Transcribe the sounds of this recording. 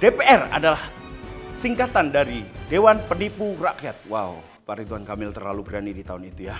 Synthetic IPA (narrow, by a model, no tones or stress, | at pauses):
d̥epeʔɛra̰dalahsiŋkat̪andaɾidewanpənipurakiat̪̚waw | paɾit̪uankamɪlt̪ərlaluɡɾanidit̪aʊnit̪uja